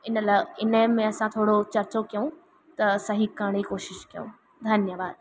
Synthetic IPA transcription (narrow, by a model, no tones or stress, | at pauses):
ɪnəlaɪnəmẽɐsãt̪ʰoːɽot͡ɕɐɾt͡ɕokijũ | t̪ɐsɐɦikaːɽ̃ikoːʃɪʃkijõ̰ | d̪ʱɐnjəʋaːd̪